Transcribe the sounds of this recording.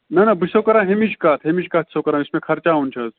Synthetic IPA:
nɐnɐbɨsokɐɾãːɦemit͡ʃʰkaːt̪ʰɦemit͡ʃkaːt̪ʰsokɐɾãːismẽkʰɐɾt͡ʃaːunt͡ʃʰɐz

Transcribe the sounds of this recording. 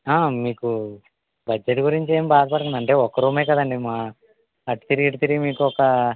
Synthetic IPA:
aːmiːku | bɐd͡ʒːeʈɡuɾiɲt͡ʃe̞ːmbaːd̪ɐpɐɽut̪und̪ɐɳʈe̞ːɔkːɐɾuːmeːkɐd̪ɐɳɖimaː | ɐʈi̥t̪iɾiiʈit̪iɾiimiːkuɔkɐ

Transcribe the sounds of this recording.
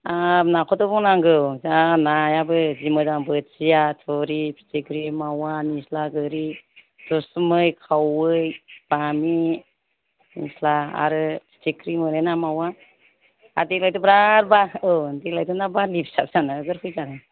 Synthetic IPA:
ap̚nakʰɔtɔbɔŋnaŋɡɯwzanajabɯd͡ʒimɯdaŋbɯt̚sijatʰɔɾipʰi̥tikɾimawanislaɡɯɾi | tɔsmɯjkʰawɯjb̥ami | nislaa̰ɾɯpʰi̥tikʰɾimɯnenamawa | a̰dilajtubɾaɾbaɯwndiklajtunabalipʰsap̚sanaɡɯɾkʰujzaɾa

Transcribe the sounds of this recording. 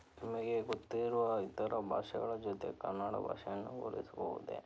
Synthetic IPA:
nimɐɡeɡot̪ːiɾuʋɐit̪ɐɾɐbʱa̰ːʂɐɡɐɭɐd͡ʒot̪e̞̰kɐrnːaːɽɐ̰bʱa̰ːʂɐjɐnːuɡoːɾḭsɐboʋṵd̪ḛ

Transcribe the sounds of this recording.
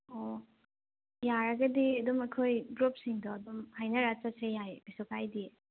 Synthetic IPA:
ɔ | jaɾɐɡɐdiɐdɔmɐkʰojbɾop̚siŋdɔɐdɔmhajnɐɾat͡ʃasejajb̥isukʰajdi

